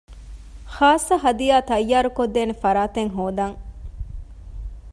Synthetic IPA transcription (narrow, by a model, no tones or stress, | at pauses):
xaːsːɐɦɐd̪ijaːt̪ɐjːaːɾukod̪ːeːnefɐɾaːt̪eŋɦoːd̪aŋ